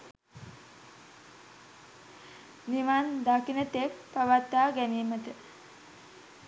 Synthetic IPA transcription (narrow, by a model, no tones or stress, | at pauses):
niʋand̪akinət̪ek̚paʋat̪ːaːɡæniːmət̪ə